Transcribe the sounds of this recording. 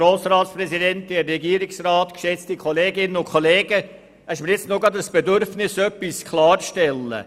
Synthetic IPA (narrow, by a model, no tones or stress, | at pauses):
ɾoːsrɑːt̪spɾɛsidɛnt̪eːɛɡiːɾɪksraːtkʃɛt͡stikʰoleːɡɪnənʊkʰoleːɡə | ɛʃ̬məɾjɪt͡stnoɡɑd̪əsb̥edʏɾfnɪsœpːiskʰlɑːɾʃtɛlːə̰